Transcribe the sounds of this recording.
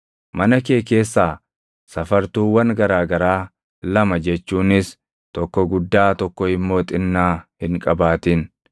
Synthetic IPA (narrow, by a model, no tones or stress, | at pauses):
mɐnɐke̞ːke̞ːsːaː | sɐfɐɾt̪uːwɐŋɡɐɾaːɡɐɾaː | lɐmɐd͡ʒɛt͡ʃːuːnɪs | t̪ɔkːɔɡʊd̪ːaːt̪ɔkːɔɪmːo̞ːt̪ʼɪnːaːhɪŋkʼɐbaːt̪ɪn